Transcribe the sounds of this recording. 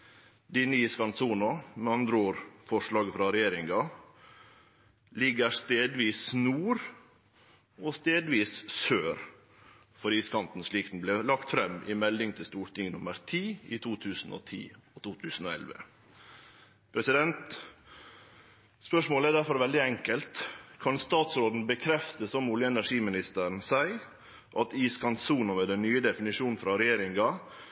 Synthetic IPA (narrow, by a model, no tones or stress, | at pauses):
d̪ɪniːskɑnsuːnʊmɛɑnd̪ɾəoːɾfɔʂɭɑːɡfɾɑɾɛjeːɾɪŋɑ | lɪɡəɾst̪eːd̪ʋiːsnuːɾ | ɔst̪eːd̪ʋiːssøːɾ | fɔɾiːskʰɑnt̪n̩sɭiːkt̪n̩blɛlɑkt̪fɾɛmːʔɪmɛlːɪŋt̪ʰɪst̪uːʈ̪ɪŋnʊməɾt̪ʰiːḭt̪ʰuːt̪ʰʉːsn̩ɔ̰t̪ʰḭːɔt̪ʰuːt̪ʰʉːsn̩oːɛ̰lʋə̰ | pʰɾɛsɪd̪ɛnt̪ | spœʂmoːləæɖæɾfɔɾʋɛld̪ɪɛŋkəlt̪kʰɑnst̪ɑːt̪sɾoːd̪n̩bəkʰɾɛft̪əsɔmʊljəɛnæʂiːmɪnɪst̪əɾɳ̩sæɪ | ʔɑt̪iːskʰɑnt̪suːnʊmɛd̪ɛnnyːəd̪ɛfɪnɪʂuːnn̩fɾɑɾɛjeːɾɪŋɡɑ